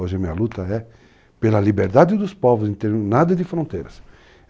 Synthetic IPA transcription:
oʒɪɐmĩɐlut̪ɐɛ | pelɐlibeɾd̪ad̪ɪd̪ʊspɔvʊzẽt̪eɾnad̪ɐd̪ɪfɾõnt̪ejɾɐs

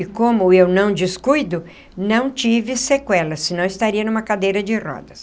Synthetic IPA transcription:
ɪkõmʊewnɐ̃w̃d͡ʒiskujd̪ʊ | nɐ̃w̃t͡ʃivɪsekwɛlɐsːɪnɐ̃w̃ɪst̪aɾiɐnũmɐkad̪ejɾɐd͡ʒɪrɔ̰d̪ɐs

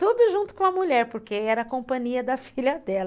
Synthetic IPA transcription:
t̪ud̪ʊʒũt̪ʊ̥kõɐmuʎɛɾpoɾkeɛɾɐkõpɐ̃ɲiɐd̪ɐfiʎɐd̪ɛlɐ

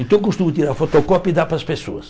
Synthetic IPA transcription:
ẽnt̪ɐ̃wkust̪ũmʊt̪iɾaɾfot̪ɔkɔpid̪apɾɐspesoɐs

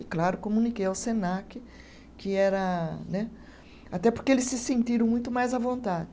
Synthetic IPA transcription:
ɪklaɾʊkomũnikejɐwsẽnakɪ | kɪɛɾɐnɛ | at̪ɛpoɾkeelɪsːɪsẽnt̪iɾɐ̃w̃mũj̃t̪ʊmajzɐvõnt̪adɪ

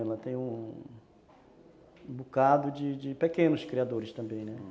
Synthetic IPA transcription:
ɛlɐt̪ẽj̃ũ | bukad̪ʊd͡ʒɪd͡ʒɪpekẽnʊskɾiad̪oɾɪst̪ɐ̃mbẽj̃nɛ

